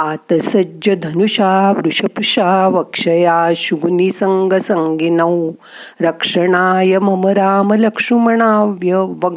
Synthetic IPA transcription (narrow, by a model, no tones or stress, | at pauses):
at̪ɐsɐd͡ʒd͡ʑɐd̪ʱɐnuɕaːʋɾuɕɐpuɕaːʋɐkʂɐjaːɕuɡunisɐŋɡʱɐsɐŋɡinɐw | ɾɐkʂɐɳaːjɐmɐmɐɾaːmɐlɐkʂumɐɳaːʋjɐʋɐ